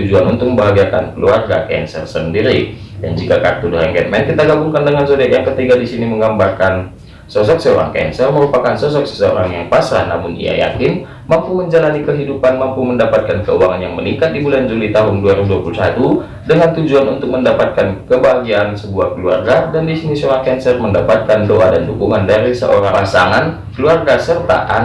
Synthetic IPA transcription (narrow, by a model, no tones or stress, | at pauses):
ud͡ʒuanunt̪ʊk̚məbaɦaɡiaka̰nkəluarɡa̰kɛ̰nsə̰rsəndiɾi | dand͡ʒikakart̪udəɾaŋɡɛt̪̚mɛnkit̪aɡabuŋkandəŋansodaʔjaŋkət̪iɡadisiniməŋɡambarkan | sɔsɔk̚səoɾa̰ŋkɛ̰nsərməɾupakansɔs̬ɔk̚sə̥səo̰ɾaŋjaŋpasana̰mʊnḭja̰ja̰kɪn | mampuməɲd͡ʒalanikəɦidupanmampuməndapat̪̚kankəuaŋanjaŋməniŋkat̪̚dibuland͡ʒulit̪aɦʊnduaɾiuduapulusat̪u | dəŋant̪ud͡ʒuanunt̪ʊk̚məndapat̪̚kankəbaɡiansəbuahkəlua̰rɡadandisinisəoɾaŋkɛnsərməndapat̪̚kandoʔadandukuŋandaɾisə̰ʔoɾaasaŋan | kəluarɡasərt̪a̰ʔa̰n